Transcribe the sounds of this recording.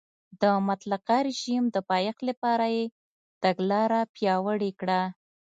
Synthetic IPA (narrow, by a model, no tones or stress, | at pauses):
d̪əmat̪laqaɾɪʒimd̪əpɑjaxlapɑɾaje | t̪aɡlɑɾapjɑwəɽekɽa